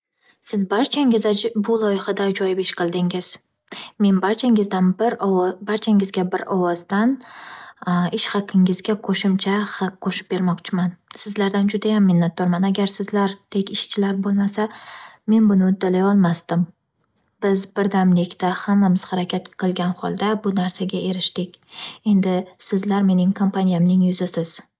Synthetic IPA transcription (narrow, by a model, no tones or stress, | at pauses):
sɪzbaɾt͡ʃʰaŋɪzbʊlˠɒjɪχad̪ad͡ʒɒjɪpɪʃqʰɨlˠd̪ɪŋɪz̥ | me̞nbaɾt͡ʃʰaŋɪzd̪anbɾbaɾt͡ʃʰaŋɪzɡʲabɪɾɒwɒzd̪an | ɪʃhɑqʰɪŋɪzɡʲaqʰoʃɪmt͡ʃʰahqʰːoʃɪ̥p̚be̞ɾmɒqt͡ʃʰɪmansɪzlaɾd̪and͡ʒʊd̪ajamːɪnːat̪̚ːɒɾmanaɡʲaɾsɪzlaɾd̪̥ekʲɪʃt͡ʃʰɪlaɾbolˠmasame̞nbʊnɪʊd̪ːalajɒlˠmast̪ɪm | b̥ɪzbɪɾd̪amlɪkʲt̪ahamːamɪz̥haɾakʲʰat̪qʰɨlˠɡʲanχɒ̰lˠd̪abʊnaɾsaɡʲaʔe̞ɾɪʃt̪ɪkʲe̞nd̪ɪsɪzlaɾme̞nɪŋkʰompanijamnɪŋjʊzasɪz̥